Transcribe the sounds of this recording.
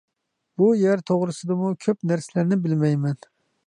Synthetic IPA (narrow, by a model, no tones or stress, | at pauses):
b̥ujæɾt̪ʰoʁɾɨsɨd̪ɨmukʲʰøpnæɾsɪlæɾnɪbɪlmɛjmɛn